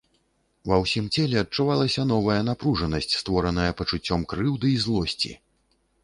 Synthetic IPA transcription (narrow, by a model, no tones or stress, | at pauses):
vɐwsʲimt͡sʲɛlʲɛɐt̚t͡ʂuvalˠɐsʲɐn̪ɔvɐjɐnapɾuʐɐnɐsʲt͡sʲst̪vɔɾɐnɐjɐpɐt͡ʂut͡sʲːɔmkɾɨwd̪ɨizlˠɔsʲt͡sʲḭ